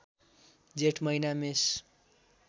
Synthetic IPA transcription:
d͡zeʈmʌjnames

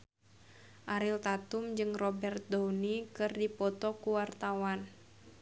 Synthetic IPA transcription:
ʔaɾilt̪at̪ʊmd͡ʒɨŋrɔbɛrt̪̚downikɨrdipɔt̪ɔkuwart̪awan

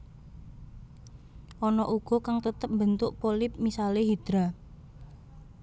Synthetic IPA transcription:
ʔɔnɔʔuɡ̥ɔ̤kaŋt̪ət̪əp̚mbənt̪ʊʔpolɪp̚misaleɦid̪̥ɾa

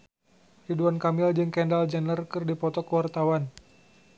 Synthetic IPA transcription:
riduankamɪld͡ʒɨŋkɛndald͡ʒɛnlərkɨrdipɔt̪ɔkəwart̪awan

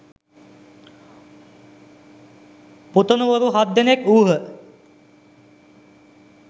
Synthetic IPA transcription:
put̪onuʋoɾuɦad̪ːenekuːɦə

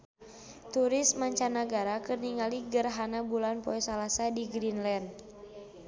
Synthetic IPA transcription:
t̪uɾɪsmaɲt͡ʃanaɡaɾakɨrniŋaliɡərɦanabulanpɔɛsalasadiɡɾinlɛn

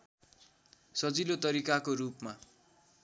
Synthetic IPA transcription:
sʌd͡zilot̪ʌɾikakoɾupma

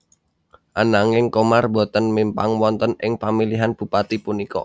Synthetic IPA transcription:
ʔanaŋɪŋkomarbo̤t̪ənmimpaŋwɔnt̪ənɪŋpamiliɦanb̥ṳpat̪ipunikɔ̰

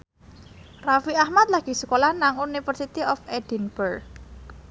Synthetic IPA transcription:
rafiahmat̪̚laɡ̥i̤səkolahnaŋunifərsit̪iɔfed̥inb̥ər

